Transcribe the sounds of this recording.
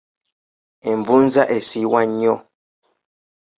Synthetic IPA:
ɛɱvunzaʔesiwaɲɔ

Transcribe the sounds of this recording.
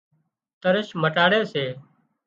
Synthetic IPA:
t̪əɾəʃməʈaːɽeːseː

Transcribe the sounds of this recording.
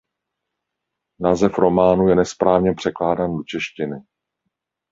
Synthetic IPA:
naːzɛfɾo̞maːnujɛnɛspɾaːvɲɛpr̝̥ɛklaːdaːndot͡ʃɛʃcɪnɪ

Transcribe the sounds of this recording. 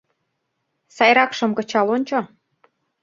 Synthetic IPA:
sɑjɾɑkʃɤ̆mkɤ̆t͡ɕɑlonʲt͡ɕo

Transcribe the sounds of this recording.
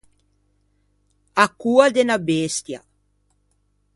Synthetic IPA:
akːuad̪enabest̪ja

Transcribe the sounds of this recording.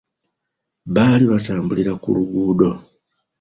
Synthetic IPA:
βaliβataːmbuliɾakṵɾuɡuːdo

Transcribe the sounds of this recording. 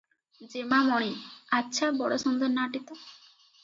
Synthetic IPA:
d͡ʒemamɔɽ̃iatːʃʰabɔ̰ɽosund̪ɔɾnaʈit̪ɔ

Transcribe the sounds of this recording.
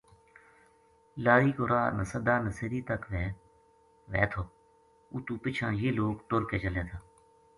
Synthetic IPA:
laːɾiːkoːɾaːnəsəd̪aːnəseɾiːt̪əkʋɛː | ʋɛːt̪ʰoː | ut̪uːpɪt͡ʃʰãːjeːloːkʈʊɾkeːt͡ʃəleːt̪ʰaː

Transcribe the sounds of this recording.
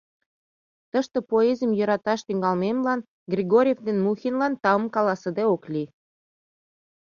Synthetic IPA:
t̪əʃt̪ə̆poezəmjəɾɑt̪ɑʃt̪yŋɡɑlmemlɑn | ɡrʲiɡoɾʲjevd̪enmuxʲinlɑnt̪ɑəmkɑlɑsəd̪eoklʲi

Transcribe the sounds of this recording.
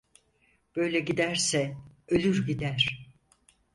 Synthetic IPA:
b̥ø̞jlʲɛɟid̪æɾsɛølʲyɾɟid̪æɾ̥

